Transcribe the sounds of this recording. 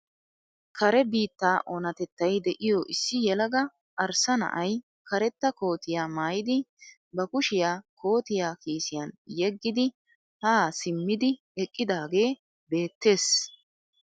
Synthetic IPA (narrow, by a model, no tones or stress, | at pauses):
kʰɐɾɛbiːt̪ːaːʔɔnɐt̪ɛt̪ːɐjd̪ɛʔɪjɔʔɪsːɪjɛlɐɡɐ | ʔɐɾsɐnɐ̰ʔɐj | kɐɾɛt̪ːɐko̞ːt̪ɪjaːmaːjɪd̪ɪ | bɐkʊʃɪjaːkʰo̞ːt̪ɪjaːkiːsɪjɐnjɛɡːɪd̪ɪ | haːsɪmːɪd̪ɪ | ɛkʼːɪd̪aːɡe̞ː | be̞ːt̪ːe̞ːs